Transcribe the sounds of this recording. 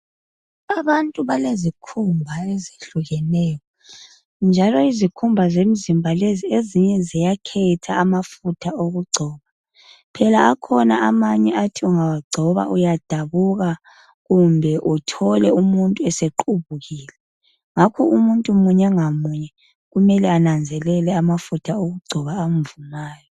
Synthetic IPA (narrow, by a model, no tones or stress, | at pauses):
aβantʼuβalezikʰumbʱaezi̥ɬuɣɛnɛːjɔ | nd͡ʒʱalɔizikʰumbʱazem̩zimbʱalezieziɲɛzijakʰɛtʰaːmafutʰaoɣuɡ͡ǀʱɔːβa | pʰɛlaakʰɔnaamaɲɛʔatʰiuŋawaɡ͡ǀʱɔβa̰ʔujad̥ʱaβuɣa | ɣumbʱɛʔutʰɔlɛumuntʼuɛseǃuβuɣiːlɛ | ŋakʰɔumuntʼumuɲɛŋamuɲɛ | ɣumɛlɛanand͡zʱɛlɛlɛamafutʰaoɣuɡ͡ǀʱɔβaːmvumaːjɔ